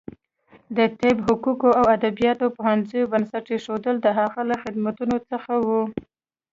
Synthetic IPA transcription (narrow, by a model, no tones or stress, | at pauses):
d̪ət̪ɪbɦʊkukoawad̪abijɑt̪opohand͡zəjobənsaʈeʃod̪əld̪əɦaɣalaxɪd̪mat̪unot͡səxawu